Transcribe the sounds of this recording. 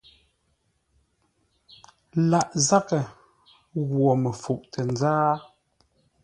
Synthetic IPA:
la˨ʔza˦kə˨ | ɣwɔ˨mə˨fu˨ʔtʰə˨nzaː˦

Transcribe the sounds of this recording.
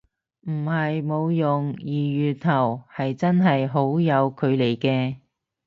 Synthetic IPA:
m̩˨˩hɐ˨jmo˨˧wjʊ˨ŋjiː˨˩jyː˨˩t̪ʰɐ˨˩whɐ˨jt͡sɐ˥nɦɐ˨jɦo˨˥wjɐ˨˧wkʰɵ˨˧ɥle˨˩jkɛː˧

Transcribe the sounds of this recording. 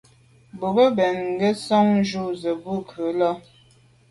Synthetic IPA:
bo˨bə˦bɛ˨nŋ˦ɡə˦sɔ˦ŋʒu˦zə˨bu˦˨kʰə˨˦lɔ˦

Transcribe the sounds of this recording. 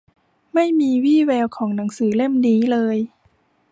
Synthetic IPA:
ma˥˩jmiː˧wiː˥˩wɛː˧wkʰɔː˩˦ŋna˩˦ŋsɯː˩˦le˥˩mniː˦˥lɤː˧j

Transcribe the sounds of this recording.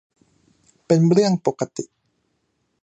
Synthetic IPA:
pe˧nɾɯ˥˩əŋpoː˨ka˧t̪i˨ʔ

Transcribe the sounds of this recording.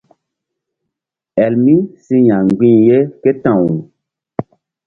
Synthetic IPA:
ɛ˨lmi˦si˦ɲã˨ŋɡ͡bĩ˦˨je˦ke˦tã˨wu˨

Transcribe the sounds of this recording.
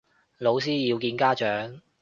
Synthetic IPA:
lo˨˧ws̬iː˥jiː˨˧wkiː˧nkaː˥t͡ʃœː˨˥ŋ

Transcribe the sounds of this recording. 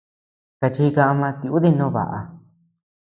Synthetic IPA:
ka˧t͡ʃi˧kã˧ʔa˧mã˧t̪i˧u˦ði˦˧nõ˦˧˦βa̰˨ʔa̰˧

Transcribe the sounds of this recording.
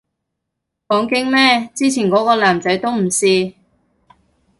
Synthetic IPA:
fɔː˨˥ŋkɪ˥ŋmɛː˥t͡siː˥t͡sʰiː˨˩nkɔː˨˥kɔː˧laː˨˩mt͡sɐ˨˥jt̪o˥wm̩˨˩siː˧

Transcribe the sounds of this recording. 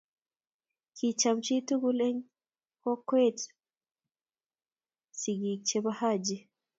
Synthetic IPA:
kʰit͡ʃamt͡ʃi˦tu˦ɡule˦ɲ | ko˦kwe˦t | si˨ɡi˨t͡ʃeβahad͡ʒe˨

